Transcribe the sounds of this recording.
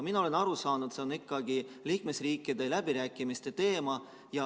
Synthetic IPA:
minɑo̞le̞nɑɾusɑːnud̪̥se̞onikːɑɡ̥iliːkme̞sriːkːˑid̪̥e̞læb̥iɾæːkːˑimist̪e̞t̪e̞ːmɑ | jɑ

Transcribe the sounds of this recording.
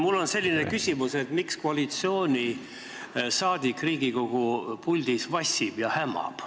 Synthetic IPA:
mulːo̞nse̞lʲːinekysʲimuse̞t̪mikskoɑlit̪sio̞ːnʲi | sɑːd̪̥ikˑriːɡ̥iko̞ɡ̥upulʲd̪̥isvɑsʲib̥jɑhæmːɑ̰b̥

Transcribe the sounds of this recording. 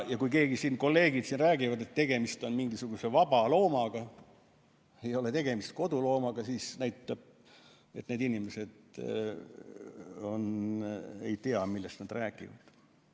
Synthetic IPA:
jɑkujke̞ːɡisiːnko̞lːe̞ːɡid̪̥sinræːɡivɑd̪e̞t̪t̪ːe̞ɡ̥e̞mist̪o̞nmiŋɡisuɡ̥use̞vɑb̥ɑlo̞ːmɑɡ̥ɑ | e̞jo̞le̞t̪e̞ɡe̞mist̪̚ko̞d̪ulo̞ːmɑɡ̥ɑsiːsnæjt̪ːˑɑb̥̚ | e̞t̪ne̞ːd̪inimese̞d̪ | o̞̰n | e̞̰jt̪eɑmilːest̪nɑd̪̥ræːɡˑḭvɑ̰d̪̥

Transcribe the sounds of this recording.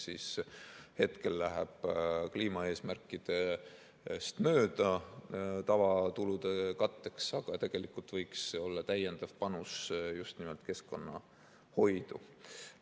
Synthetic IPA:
siːshe̞t̪ke̞lːæɦeb̥kliːmɑe̞ːsmærkˑːid̪̥e̞ | st̪mø̞ːd̪̥ɑ | t̪ɑvɑt̪ulud̪e̞kɑt̪ːe̞ksɑɡ̥ɑt̪e̞ɡ̥e̞likːˑult̪vɤjkso̞lːɑt̪æje̞nd̪̥ɑv̥pɑnusjust̪nimelt̪ke̞sko̞nːɑ̰ | ho̞jd̪̥u

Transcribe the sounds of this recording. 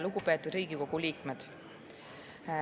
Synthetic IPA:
luɡupe̞ːt̪ːˑud̪̥ɾiːɡiko̞ɡ̥uliːkmed̪̥

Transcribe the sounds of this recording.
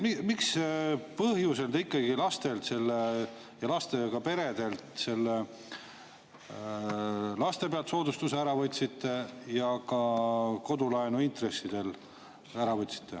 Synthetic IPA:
mimikspɤɦjuseld̪̥eikːɑɡilɑst̪e̞lt̪se̞lːe | jɑlɑst̪e̞kɑpe̞ɾe̞d̪̥e̞lt̪se̞lːe | lɑst̪e̞peɑlt̪so̞ːd̪ust̪useæɾɑvɤt̪ʲsit̪ˑːe̞jɑkɑko̞d̪ulɑenuint̪re̞sid̪̥e̞l | æɾɑvɤt̪ʲːsi̥t̪ːe̞̰

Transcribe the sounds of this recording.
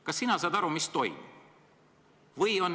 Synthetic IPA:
kɑsːinɑsɑd̪ɑɾumist̪o̞j̰mi | vɤjo̞nː

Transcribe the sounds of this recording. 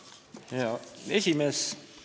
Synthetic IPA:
jɑesʲimes

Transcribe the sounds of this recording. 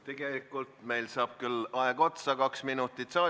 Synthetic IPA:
t̪e̞ɡ̥e̞likːˑult̪me̞jlsɑːb̥̚kylɑeɡo̞t̪sɑkɑksminut̪ːˑit̪sɑː

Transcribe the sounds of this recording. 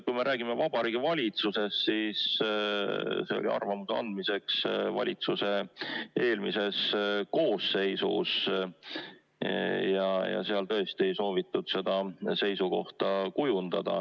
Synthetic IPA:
kujme̞ɾʔæːɡ̥imevɑbɑɾiːɡ̥ivɑlʲit̪suse̞st̪siːs | se̞olʲʔḭɑ̰rvɑmuseɑ̰nd̪̥mise̞ksvɑ̰lʲit̪suse̞e̞ːlmise̞sko̞ːsːe̞jsṵs | jɑjɑ̰seɑlt̪ɤ̞est̪ie̞jso̞ːvit̪ːud̪̥se̞d̪̥ɑse̞jsuko̞ht̪ɑkujund̪̥ɑd̪̥ɑ̰

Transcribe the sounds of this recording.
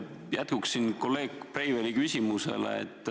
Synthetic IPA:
jæt̪̚kuksːinko̞lːe̞ːkːprejvelikysʲimusḛlḛḛt̪ːˑ

